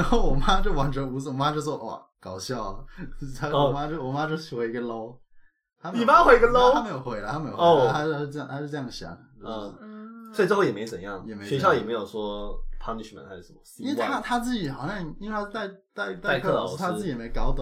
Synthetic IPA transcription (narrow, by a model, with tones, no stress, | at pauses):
ɻa˧˥nxo˥˩ʊwɔ˨˩ma˥ʈ͡ʂo˥˩wa˨˩nʈ͡ʂə˧˥u˧˥s̩˥˩wɔ˨˩ma˥ʈ͡ʂo˥˧˩ʂwɔ˥˧˩ʔwɔ̰˥˨˩ | kɑ˨˩ʊɕjɑ˥˩ʊ˩a˥˧˩ma˥ʈ͡ʂo˥˩wɔ˨˩ma˥ʈ͡ʂo˥˧˩ɕʰi˨˩xwe˧˥ɪi˧˥ɡə˧lo˥ʊ | t̪ʰa˥me˥n˥i˨˩ma˥xwe˧˥i˧˥ɡə˧lo˥ʊa˥me˥jo˨˩ʊxwe˧˥ɪlə̰˧t̪ʰa˥me˧˥jo˨˩˧a˥a˥ɻ̩˥˧˥jɑ˥˧ŋt̪ʰa˥ʂɻ̩˥˧˥jɑ˥˩ŋ˩ə˩ɕɑ̰˧˥ə˨˩˧swʈ͡ʂ̩˥˧xjɛ˨˩me˧˥t͡sə˨˩jɑ˥˩ŋjɛ˨˩me˧˥ɕɕɥɛ˧˥ɕjɑ˥˩jɛ˨˩me˧˥ɪjo˨˩ʊʂwɔ˥pʰa˥ni˧˩t͡ɕʰy˥˩mə̰˨˦nʰa˥˩˥ʂə˧˥mə˧˩˥i˥wt̪ʰa˥t̪ʰa˥t͡sɹ̩˥˩t͡ɕi˨˩˥xɑ˨˩ʊɕjɑ˥˩ŋi˥we˥˧t̪ʰa˥t̪a˥˧ɪt̪a˥˧ɪt̪a˥˧t̪ʰt̪ʰa˥t͡sɹ̩˥˩i˨˩˧ɪkɑ˧˥ʊt̪